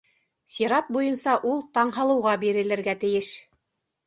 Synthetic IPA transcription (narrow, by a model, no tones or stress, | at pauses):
sʲiɾɑt̪̚bujɤnsɑʔulˠt̪ɑɴɦɑ̆lˠɤ̆wʁɑbiɾɘ̆lɘ̆ɾɡæt̪ɘ̆jɘʃ